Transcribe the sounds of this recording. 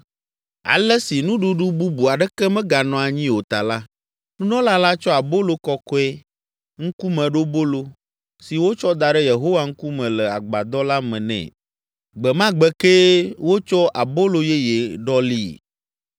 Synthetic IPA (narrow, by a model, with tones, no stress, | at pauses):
a̰˨lɛ˦si˨nũ˦ɖu˦ɖu˦bu˦bu˨a˨ɖɛ˦kɛ˦mɛ̃˦ɡa˨nɔ̃˨a˨ɲĩ˦o˨t̪a˨la˦ | nũ˦nɔ̃˦la˦la˦t͡ʃɔ˦a˨bo˦lo˦kɔ˦kɔ˦ɛ˦ | ŋ̩˦ku˦mɛ̃˨ɖo˦bo˦lo˦ | si˨wo˦t͡ʃɔ˦d̪a˨ɖɛ˦je˨ɦo˦wa˦ŋ̩˦ku˦mɛ̃˨lɛ˨a˨ɡ͡ba˨d̪ɔ˦la˦mɛ̃˨nɛ̰̃˨ | ɡ͡bɛ˨mã˦ɡ͡bɛ˦ke˦wo˦t͡ʃɔ˦ʔa˨bo˦lo˨je˦je˨ɖɔ˦li˦˨